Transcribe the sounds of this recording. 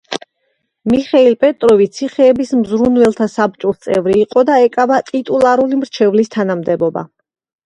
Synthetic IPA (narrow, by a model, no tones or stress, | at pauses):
miχɛilpʼɛt̪ʼɾɔvit̪sʰiχɛːbismzɾunvɛlˠt̪ʰasab̚t͡ʃʼuɾt̪sʼɛ̰vɾiːqʼɔd̪aɛkʼavat̪ʼit̪ʼulˠaɾulimɾt͡ʃʰɛvlist̪ʰanamd̪ɛbɔba̰